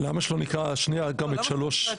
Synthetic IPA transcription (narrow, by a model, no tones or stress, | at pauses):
lamaʃelonikʁaʃniaɡamet̪ʃalo̞ʃ